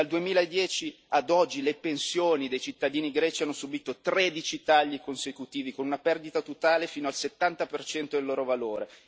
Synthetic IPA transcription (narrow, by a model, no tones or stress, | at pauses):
ald̪uemiːlaed̪ːjɛːt͡ʃi | ad̪ɔd͡ʒːilepensjoːnid̪ejt͡ʃit̪ːad̪iːniɡɾɛːt͡ʃianːosubiːt̪ot̪ɾeːd̪it͡ʃit̪aʎːikonsekut̪iːvikonunapɛrd̪it̪at̪ot̪aːlefiːnoalset̪ːant̪apert͡ʃɛnt̪oelːoːɾovaloːɾe